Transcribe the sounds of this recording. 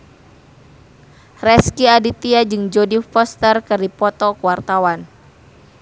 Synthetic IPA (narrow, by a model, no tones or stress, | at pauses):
rɛskiadit̪iad͡ʒɨŋd͡ʒodifɔst̪ərkɨrdipɔt̪ɔkuwart̪awan